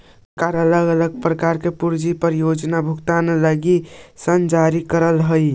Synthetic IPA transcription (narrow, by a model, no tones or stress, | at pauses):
kaɾələɡələɡ̚pɾəkaɾkepuɾd͡ʒipəɾjod͡ʒnabʱukt̪anləɡisənd͡ʒaɾikəɾəlɦə